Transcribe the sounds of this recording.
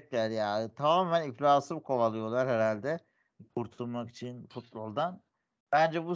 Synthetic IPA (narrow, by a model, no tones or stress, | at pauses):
clʲæɾjat̪ʰamaːmæniflʲaːsɯbkʰo̞valˠɯjo̞lˠaɾheɾalʲd̪ɛ | kʰuɾt̪ʰulˠmaki̥t͡ʃʰinfut̪̚bo̞lˠd̪an | b̥ænd͡ʒɛbu